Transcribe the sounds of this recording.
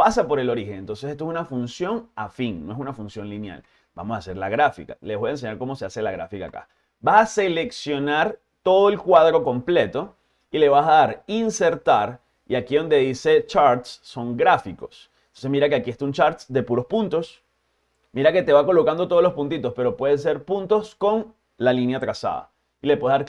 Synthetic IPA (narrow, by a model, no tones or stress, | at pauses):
pasapo̞ɾe̞lo̞ɾixe̞nent̪o̞nsesest̪oesunafunsjo̞ŋafiŋnoes̬unafunsjõ̞nlinja̰l | b̥a̰mo̞sase̞ɾlaɣɾafḭkaleβo̞jaense̞ɲaɾko̞mo̞se̞ase̞laɣɾa̰fika̰ːka̰ | basase̞le̞ksjo̞naɾ | t̪o̞ð̞oe̞lkwaðɾo̞ko̞mple̞t̪o̞ | ile̞β̞asaðaɾinse̞ɾt̪aɾ | iakiðo̞nd̪e̞ðise̞t͡ʃaɾt̪sːo̞ŋɡɾafiko̞s | nt̪onse̞smiɾakeakie̞st̪aunt͡ʃaɾt̪sd̪e̞puɾo̞spunt̪o̞s | miɾake̞t̪e̞βako̞lo̞kand̪o̞t̪o̞olospunt̪̬it̪o̞spe̞ɾo̞pwe̞ð̞ese̞ɾpunt̪o̞sko̞n | lalinjat̪ɾasa̰ða̰ | ilepwe̞ðaɾ